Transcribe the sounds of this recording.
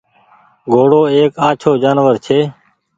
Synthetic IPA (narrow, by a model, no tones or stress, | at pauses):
ɡʱoːɽoːeːkaːt͡ʃʰoːd͡ʒaːnʋəɾt͡ʃʰeː